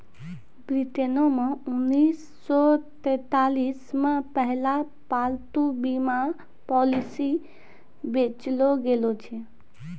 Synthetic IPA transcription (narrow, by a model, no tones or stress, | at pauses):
bɾit̪enomeunːisːɔt̪ɛt̪alismepəɦla | palt̪ubima | pɔlisi | bet͡ʃloɡelot͡ʃʰɛ